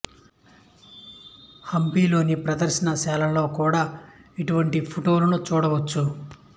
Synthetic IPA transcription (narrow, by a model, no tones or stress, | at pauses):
hɐmpiːlo̞ːnipɾɐd̪ɐɾʃɐnɐʃɛːlɐlo̞ːkuːɽaːiʈuʋɐɳʈipʰuʈo̞ːlunut͡ʃuːɽɐʋɐt͡ʃːu